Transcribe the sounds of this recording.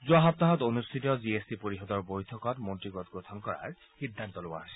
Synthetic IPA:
zuaɦɔp̚t̪aɦɔtonust̪ʰitɔziesdipoɹiɦɔdɔɹbojtʰɔkɔtmontɹiɡɔtɡot̪ʰɔnkɔɹa̰ɹ | xid̪ʱːantɔloba̰ɦojsɛ

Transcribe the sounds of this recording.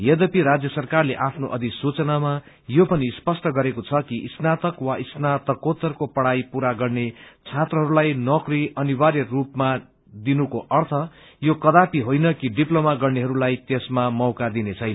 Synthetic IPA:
jed̪ʌpiɾad͡zjʌsʌrkarleʔapʰnoʔʌd̪isut͡sʌnama | jopʌnispʌsʈʌɡʌɾekot͡sʰʌkiʔsnat̪ʌkwaisnat̪ʌkot̪ʌrkopʌɽajpuɾaɡʌrnet͡sʰat̪rʌɦʌɾulajnʌkriʌnibaɾjʌrupma | d̪inukoʔʌrt̪ʰʌ | jokʌd̪apiɦojnʌkiɖiplomaɡʌrneɦʌɾulajt̪esmamʌwkad̪inet͡sʰʌjn

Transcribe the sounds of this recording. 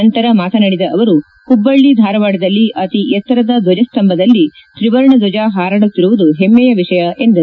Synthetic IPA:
ɐnt̪ɐɾɐmaːt̪ɐnɐɽid̪ɐʔːʋɐɾu | kubːɐɭːid̪ʱaːɾɐʋaːɽɐd̪ɐlːiʔɐt̪ijɛt̪ːɐɾɐd̪ɐd̪ɔd͡ʒɐst̪ɐmbʱɐd̪ɐlːit̪ɾiʋɐɾɳɐd̪ɔd͡ʒaɦaːɾaːɽut̪ːiɾuʋud̪uɦemːɛjɐʋiʂɐjɐʔe̞nd̪u

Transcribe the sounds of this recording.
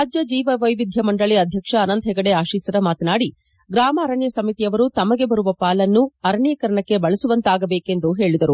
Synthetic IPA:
ɾaːd͡ʒjɐd͡ʒiːʋɐʋɐjʋid̪ʱjɐmɐɳɖɐɭiɐd̪ʱjɐkʂɐːnɐnt̪ʰɛɡɐɽeaːʃiːsɐɾɐmaːt̪ɐnaːɽi | ɡɾaːmɐːɾɐɳjɐsɐmit̪ijɐʋɐɾut̪ɐmɐɡe̞bɐɾuʋɐpaːlɐnːuɐɾɐɳjɐkɐɾɐɳɐkːe̞bɐɭɐsuʋɐnt̪aːɡɐbe̞ːke̞nd̪uɦe̞ːɭid̪ɐɾu

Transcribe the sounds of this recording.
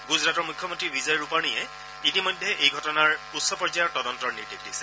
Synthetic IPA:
ɡuzɹatɔɹmʊkʰjɔmontɹibizɔjɹupañiɛ | itimɔjdʱːɛʔejɡʱɔtɔnaɹutsɔpɔɹzajɔɹtɔdɔntɔɹniɹdikʰdisɛ̥

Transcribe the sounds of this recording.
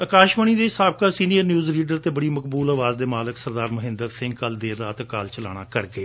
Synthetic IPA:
əkaːʃməɳ̃iːd̪eːsaːb̚kaːsiːnijəɾnjuːzliːɖəɾt̪eːbəɽiːməkbuːlaːʋaːzd̪eːmaːləksəɾd̪aːɾməɦɪ̃nd̪əɾsɪ̃ŋɡ̚kəld̪eːɾaːt̪əkaːlt͡ʃəla̰ːɽ̃aːkəɾɡeː

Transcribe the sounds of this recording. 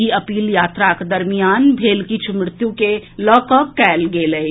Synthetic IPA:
iəpiːljaːt̪ɾakd̪əɾmijaːnbʱeːlkit͡ʃʰumɾɪt̪jukelɔːkəkːɛːlɡeːlə

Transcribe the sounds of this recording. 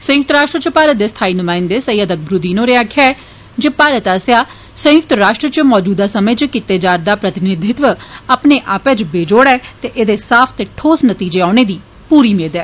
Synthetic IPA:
sə̃jʊkt̪əɾaːʃʈɾət͡ʃpaːɾət̪̚d̪eːst̪ʰaːiːnʊmaːɪnd̪eːsəjəd̪ək̚ʰbɾud̪iːnõːɾeaːkʰjaːɛː | d͡ʒepaːɾət̪aːsjaː | sə̃jʊk̚t̪ɾaːʃʈɾət͡ʃmɔːd͡ʒuːd̪aːsəməjt͡ʃkɪt̪eːd͡ʒaːɾd̪aːpɾət̪ɪnɪd̪ʱɪt̪ʋəaːpneːʔaːpɛːt͡ʃbeːd͡ʒoːɽɛːt̪eːʔeːd̪eːsaːpʰt̪eːʈʰoːsnət̪iːd͡ʒeːaːneːd̪iː | puːɾiːmeːd̪ɛː

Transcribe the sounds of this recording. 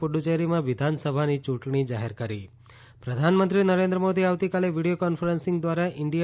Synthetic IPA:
puɖut͡ʃeɾimãʋɪd̪ʱansəbʱanit͡ʃũʈɳ̃id͡ʒaɦeɾkəɾḭ | pɾəd̪ʱanmə̃nt̪ɾinəɾẽnd̪ɾəmod̪ʱiaʋt̪ikaleʋiɽijokɔnfʰəɾənsɪ̃ŋɡd̪ʋaɾaʔɪɳɖija

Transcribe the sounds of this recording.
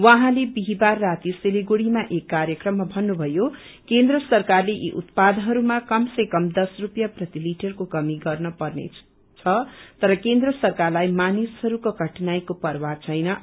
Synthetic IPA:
wʌɦãlebiɦibarːat̪iseliɡoɽimaʔekːaɾjʌkrʌmːabʱʌnːubʱʌjo | kend̪rʌsʌrkarleʔḭʔut̪pad̪ɦʌɾumakʌmsʌkʌmd̪ʌsrupjaprʌt̪iliʈʌrkokʌmiɡʌrnʌpʌrnḛ | t͡sʰʌt̪ʌɾʌkend̪rʌsʌrkarlajmanisɦʌɾukoɡʌʈnajkopʌrwat͡sʰʌjnʌ

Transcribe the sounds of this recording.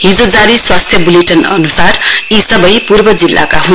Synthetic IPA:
ɦid͡zod͡zaɾiswast̪ʰjʌbuleʈʌnʌ̰nusarisʌbʌjpurbʌd͡zilːa̰kaɦũn

